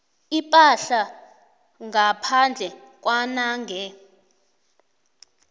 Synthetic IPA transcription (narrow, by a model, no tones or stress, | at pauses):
ipʼaɬa | ŋɡʱapʰand͡ɮʱɛ | k̬ʼwanaːŋɡʱɛ